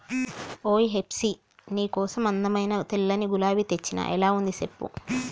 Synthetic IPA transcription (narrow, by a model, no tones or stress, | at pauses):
oːjiɦepsi | niːkɔːsɐmɐnd̪ɐmɐjnɐt̪ilːɐniɡulaːʋit̪et͡ʃːinɐ̰ʔɛlaːund̪isepːṵ